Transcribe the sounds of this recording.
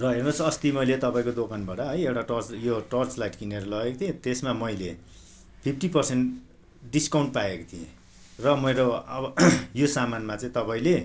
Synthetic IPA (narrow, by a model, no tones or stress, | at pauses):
rʌɦernusʰʌst̪imʌjlet̪ʌpaĩkod̪okanbaɽʌɦʌjewʈaʈʌrt͡sjoʈʌrt͡slajʈkineɾʌlʌekot̪ʰijẽt̪esmamʌjle | pʰipʰʈipʌrsenʈ | ɖiskaw̃ɳʈpaekot̪ʰiḛ̃ | rʌmʌjɾoʌʌjosamanmat͡saĩt̪ʌpaĩle